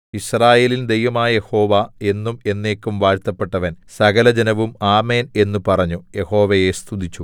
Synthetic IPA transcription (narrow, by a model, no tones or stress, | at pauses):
iɕraːje̞ːlind̪ejʋɐmaːjje̞ho̞ːʋae̞nːume̞nːe̞ːkːumʋaːɻt̪ːɐpːe̞ʈːɐʋɐnsɐɡɐlɐd͡ʑɐnɐʋumaːme̞ːne̞nːupɐrɐɲːuje̞ho̞ːʋɐje̞st̪ʰud̪it͡ɕːu